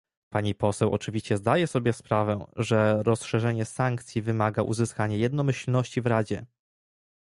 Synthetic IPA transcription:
paɲipɔsɛwʔɔ̰t͡ʂɘvʲiɕt͡ɕɛzd̪ajɛsɔbʲjɛspɾavɛʐɛɾɔsʂɛʐɛɲɛsaŋk̚t̪sʲjivɘmaɡaʔṵzɘskaɲɛjɛd̪̚nɔmɘɕlnɔɕt͡ɕivɾad͡ʑɛ

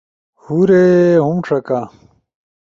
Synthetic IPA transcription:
huɾeɦumʈ͡ʂʰɐka

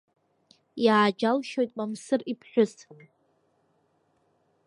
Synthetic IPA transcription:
jaːd͡ʒalʃo̞jtʼmamsɨripʰħʷᶣʊsʰ

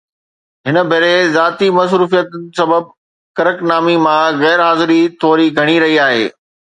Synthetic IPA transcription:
ɦɪnə̆bʱeːɾezaːt̪imɐs̬ɾuːfijət̪nɪ̆sɐbəb̚ | kɐɾəknaːmimãɣɛːɾɦaːzɪɾit̪ʰɔːɾiɡʱɐɽ̃iɾɐɦiaːɦḛː

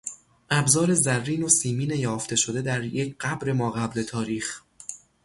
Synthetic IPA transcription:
ʔæbzɒːɾe̞zærːiːno̞siːmiːne̞jɒːft̪e̞ʃo̞d̪e̞d̪æɾjecʰɢæbɾe̞mɒːɣæble̞t̪ʰɒːɾiːx

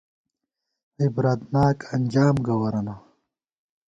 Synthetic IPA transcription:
ibɾaːd̪naːkɐnʲd͡ʑaːmɡɐwɐɾɐna

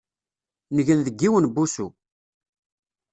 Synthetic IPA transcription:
nəʝənðəɡːiwənbusu

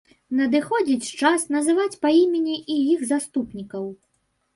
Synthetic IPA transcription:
nɐd̪ɨxɔd͡zʲit͡sʲt͡ʂasnɐzɨvat͡sʲpɐimʲenʲiʔijiɣzast̪upnʲikɐw

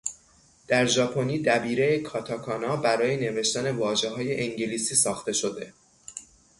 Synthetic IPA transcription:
d̪̥æɾʒɒːpʰo̞niːd̪æbiːɾe̞ːkʰɒːt̪ʰɒːkʰɒːnɒːbæɾɒːjene̞ve̞ʃt̪æne̞vɒːd͡ʒe̞ɦɒːje̞ʔeŋɟeliːsiːsɒːxt̪e̞ʃo̞d̪e̞

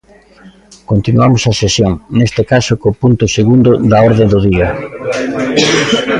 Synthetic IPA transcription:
kont̪inuamʊsɐsesjoŋnest̪ɪkasʊkopunt̪ʊseɣund̪ʊðɐɔɾðend̪ʊðiɐ

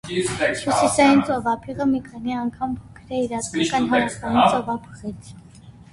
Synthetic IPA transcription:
husisɑjint͡sʼɔvɑpʰiʁəmikʰɑniɑŋkʰɑmpʰɔkʰɾɛiɾɑt͡skukɑnɦɑjɑst̪ɑnit͡sʼɔvɑpʰə̥ʁɛt͡sʰ

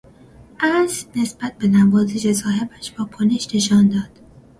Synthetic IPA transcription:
ʔæsne̞sb̥æt̪̚benæmɒːzed͡ʒezɒːɦe̞bæʃbɒːpʰoneʃne̞ʃɒːnd̪ɒːd̪̥

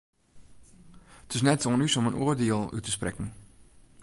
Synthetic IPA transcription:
tʰɪsnɛtsoːnysɔmənʔṵːəɹdeəlˠytəsprɛkn̩

